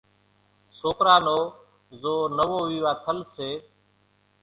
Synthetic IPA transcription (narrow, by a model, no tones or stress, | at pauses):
soːkɾaːnoː | zoːnəʋoːʋiːʋaːt̪ʰəlseː